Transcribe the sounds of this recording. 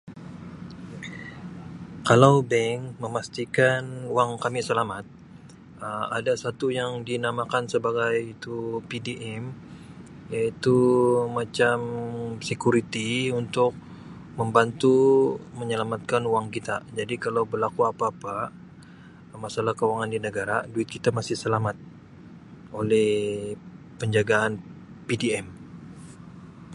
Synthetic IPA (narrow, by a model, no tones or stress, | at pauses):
kalawbɛŋməmast̪ikanuwaŋkamisəlamat̪̚ | əma̰dasat̪ujaŋdinamakansəbaɡajit̪upidiʔɛm | jait̪umat͡ʃamsekuɾit̪iunt̪ʊk̚ | məmbant̪uməɲəlamat̪̚kanuwaŋkit̪ad͡ʒadikalawbərlakuapaːpa | masalahkəuwaŋandinəɡaɾaduɪt̪̚kit̪amasɪhsəlamat̪̚ | ʔolɛh | pəɲd͡ʒaɡaːn | pidiɛm